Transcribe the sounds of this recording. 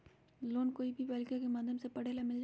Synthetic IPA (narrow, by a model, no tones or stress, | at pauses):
loːnkoːibʱibɛːlkijãkemɐd̪ʱjəmsepɐɽ̤eːlamɪld͡ʒ